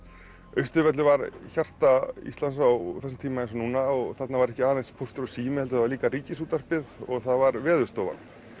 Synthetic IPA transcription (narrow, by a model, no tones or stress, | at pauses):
œɥst̪ʏɾvɛt̪lʏvaɾçar̥t̪aḭst̪ansawθɛsɪmt̪ʰiːmaɛnsɔnuːnaɔɣθɛt̪navaɾɛhcɪaːðenspʰowst̪ʏɾɔsiːmɪhɛlt̪ʏavaɾliːkariːcɪs̬uːt̪aspɪðɔɣθaðvaɾvɛːðʏɾ̥st̪oːva̰n